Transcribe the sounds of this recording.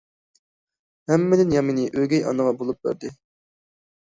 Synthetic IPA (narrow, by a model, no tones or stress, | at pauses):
hɛmːɪd̪ɪnjɑminɪʔøɡʲɛjɑ̰nɨʁɑbolˠup̚bæ̰ɾd̪ɪ